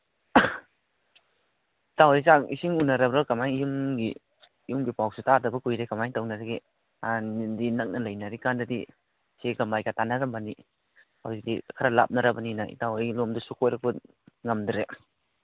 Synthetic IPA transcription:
itawajsakisiŋunɐɾɐbɾakɐmajŋjumɡi | ijumɡipawsutaɾdɐbɐkujɾekɐmajŋtawnaɾaɡi | anindinɐk̚nɐlɐjnaɾikandɐdi | seɡɐmajkatanɐɾɐmbani | hawzik̚dikʰaɾɐla̰p̚nɐɾɐbɐninɐʔḭtawajlomdusukojɾɐk̚pɐ | ŋɐmdɾe

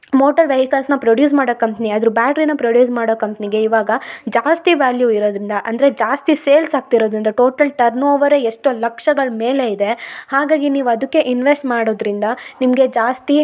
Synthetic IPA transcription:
moːʈɐɾʋjɐɦikɐlsnɐpɾoɖjuːs̬maːɽoːkɐmpniɐd̪ɐɾubaːʈɾinɐpɾoɖjuːs̬maːɽoːkɐmpɐniɡe̞iʋaːɡɐd͡ʒaːst̪iʋaːljuiɾoːd̪ɾind̪ɐʔɐnd̪ɐɾe̞d͡ʒaːst̪iseːlsaːɡ̚t̪iɾo̞ːd̪ɾind̪ɐʈo̞ːʈɐlʈɐɾnoːʋɐɾeeʂʈulɐkʂɐɡɐɭme̞ːle̞id̪e̞haːɡaːɡiniːʋuɐd̪ɐkːe̞ʔinʋesʈmaːɽo̞ːd̪ɾind̪ɐnimɐɡe̞d͡ʒaːst̪i

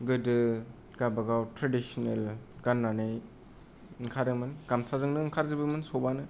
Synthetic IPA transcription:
ɡɯdɯ | ɡabaɡawtɾadisɔnelɡanːanɯj | ŋkʰaɾɯmɯnɡamsazɯŋnɯŋkʰaɾzɯbɯmɯnsobanɯ

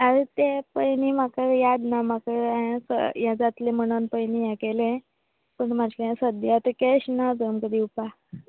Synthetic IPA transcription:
aɾet̪epəjnimakəɾjad̪namakəɾ̃sə̰jãd͡zat̪lẽm̤əɽ̃unpəjnijãkelẽ | pəɳmad͡ʑkəjãsəd̪jat̪əkeɕnad͡zəmkəd̪iːupa

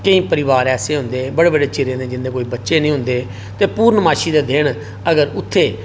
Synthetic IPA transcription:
kəĩːpəɾɪʋaːɾɛːseːɦʊnd̪eːbəɽeːbəɖeːt͡ʃɪɾẽːd̪eːd͡ʒɪnd̪eːkoːiːbətːʃeːnĩːɦʊ̃nd̪eː | t̪eːpuːɾnəmaːʃiːd̪eːd̪eːɳ | əɡəɾʊt̪ʰːeː

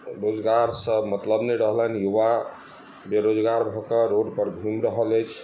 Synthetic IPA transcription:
ɾod͡ʒɡaɾsəbmət̪ləbnəjɾəɦlənjuʋa | beɾod͡ʒɡaɾbʱɔkeɾoɖpəɾbʱimɾəɦələjt͡ʃʰ

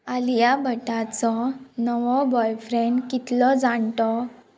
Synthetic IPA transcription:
alijabʱəʈat͡sɔnəʋɔbɔjfɾeɳɖkit̪lɔd͡zat̪ɔ

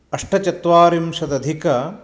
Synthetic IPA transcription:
ɐʂʈɐt͡ʃɐt̪ʋaːɾimʃɐd̪ɐd̪ʱikɐ

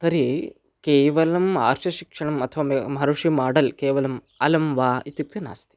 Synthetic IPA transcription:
t̪ɐɾi | keːʋɐlɐma̰ːɾʃɐʃikʂɐɳɐmɐt̪ʰɐʋaːmmɦɐɾuʂimaːɽɐlkeːʋɐlɐm | ɐlɐmʋaːit̪juk̚t̪ina̰ːst̪i̥

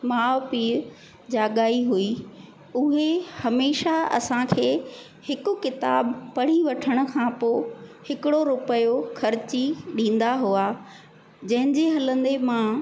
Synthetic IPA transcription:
maːpiːɾ | d͡ʑaːɠaːiɦui | ʊɦehɐmeːʃaɐ̰sãkʰeː | hɪkʊ̆kɪt̪a̰ːbpɐɽ̤iʋɐʈʰəɽ̃ʊ̆kʰãːpoːhɪkɪɽoɾʊpəjoxʰɐɾɪt͡ɕiɗĩːn̆d̪aɦua | d͡ʑɐ̃ɦɪ̃ɲd͡ʑeɦɐlə̃nd̪emã

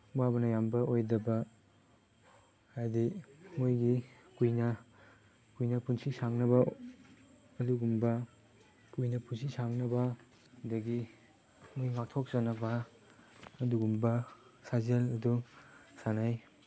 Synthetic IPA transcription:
wabɐnɐjambɐojdɐbɐ | hajdimojɡi | kujnɐ | kujnɐpunsisaŋnɐbɐ | ɐduɡumbɐ | kujnɐpunsisaŋnɐbɐ | dɐɡi | mojŋak̚tʰok̚zɐnɐbɐː | duɡumbɐsazelɐdusanaj

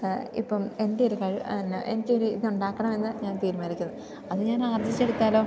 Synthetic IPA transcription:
ḭpːɐme̞ndeoɾukɐɻine̞̰nikʲːoɾuiðɨuɳɖaːkːɐɳɐme̞nːɨɲaːnt̪iːɾmaːlikʲːunːɨ | ɐðɨɲaːnaːrd͡ʑit͡ɕːeɽut̪ːaːlo̞ː

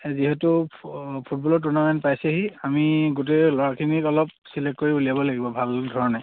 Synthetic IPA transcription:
ziɦɛtu | pʰut̚bɔlɔtunamɛnpajsɛɦiamiɡut̬elɔɹakʰiniɔlɔp̚silɛkkoɹiulijabɔlaɡibɔbʱaldʱɔɹɔnɛ

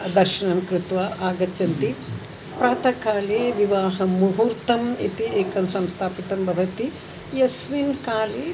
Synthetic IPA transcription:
d̪ɐɾʃɐɳɐmkɾɪt̪ʋaʔaːɡɐt͡ʃːɐnt̪i | pɾaːt̪ɐkaːleːʋiʋaːɦɐmuɦuɾt̪ɐmḭt̪ieːkɐmsɐmst̪ʰaːpit̪ɐmbʱɐʋɐt̪i | jɐsʋinkaːleː

